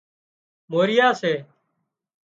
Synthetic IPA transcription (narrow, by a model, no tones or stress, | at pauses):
moːɾɪjaːseː